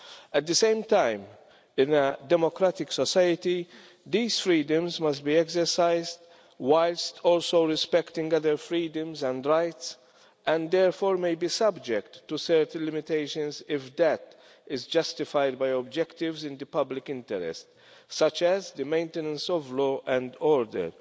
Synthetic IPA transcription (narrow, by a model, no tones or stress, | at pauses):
ɛt̪̚d̪ɨsẽɪ̃mt̪ãɪ̃m | ɪ̃nəd̪ɛmɔkɾat̪ɪksɔsajət̪i | d̪iːzfɾiːd̪ə̃mzmɐst̚biɛkzɛɾsaɪzd | waɪlstɔːlsoʊɾɪspɛkt̪ɪ̃ŋɡʌd̪əɾfɾiːd̪ə̃mzɛ̃ndɹaɪt̪s | ʔɛ̃nd̪ɛɾfɔːɾmejbiːsɐbd͡ʒɛkt̪ːusɛɾt̪ə̃nlɪmɪt̪eɪʃə̃nzɪfd̪ɛt̪ | ɪzd͡ʒʌst̪ɪfajd̪bajɔbd͡ʒɛkt̪ɪvzɪ̃nd̪ɨpɐblɪkɪ̃nt̪ɛɾɛ̰st̪ | sɐt͡ʃɛzd̪ɨmẽɪ̃nt̪ɛnə̃nsɔvlɔːʔɛ̃nd̪ɔːɾd̪ə̰ɾ